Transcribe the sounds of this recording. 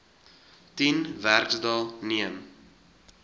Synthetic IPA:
tinværksdɑlˠniəm

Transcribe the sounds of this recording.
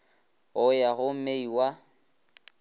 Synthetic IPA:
ʊjaɣʊm̩meiwa

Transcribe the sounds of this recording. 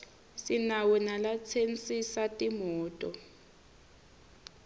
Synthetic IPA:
sinawunalat͡sʰent͡sʼisatʼimɔːtʼɔ

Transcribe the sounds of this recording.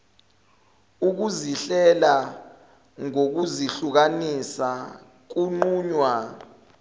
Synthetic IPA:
uk̬uziɬɛla | ŋok̬uziɬuk̬anisa | k̬uŋ͡ǃuːɲwa

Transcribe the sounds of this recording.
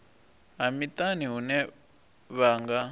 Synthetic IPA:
ɦamitaniɦunɛ | βaːŋɡa

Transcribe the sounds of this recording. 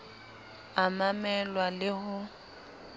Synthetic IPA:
amamɛlwalɪɦʊ

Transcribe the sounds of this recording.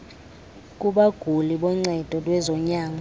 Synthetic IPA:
k̬ʼuɓaɡ̥ʱuliɓɔŋ͡ǀɛd̥ʱɔlwɛzɔɲaːma

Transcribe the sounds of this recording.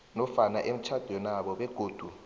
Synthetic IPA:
nɔfanaʔem̩t͡ʃʰad̥ʱɔnaɓɔɓɛɡ̥ʱoːd̥ʱu

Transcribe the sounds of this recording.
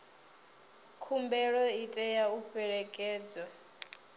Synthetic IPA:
kʰumbɛɺɔitʼɛjauɸɛɺɛkʼɛːd͡zwa

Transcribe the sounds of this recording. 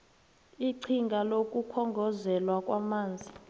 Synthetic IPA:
iǀʰiŋɡʱalokʼukʰɔŋɡʱɔzɛlwakʼwamaːnd͡zʱi

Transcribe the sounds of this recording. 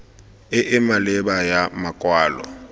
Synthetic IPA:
ɪʔɪmalɛbajamakʼwaːlɔ̰

